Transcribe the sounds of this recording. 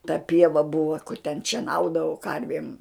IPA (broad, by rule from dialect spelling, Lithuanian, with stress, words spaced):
tɐ ˈpʲiɛʋɐ ˈbʊʋɐ tʲɛn ʃʲiɛˈnɐʊdɐʋɐʊ ˈkɐrʲʋʲeːm